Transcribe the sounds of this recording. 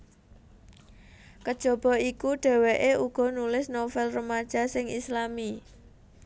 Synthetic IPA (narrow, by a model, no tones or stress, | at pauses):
kəd̥ʒ̥o̤b̥ɔ̤ikuɖ̥ɛ̤weʔeuɡ̥ɔ̤nulɪsnofɛlrəmad̥ʒ̥ä̤sɪŋislami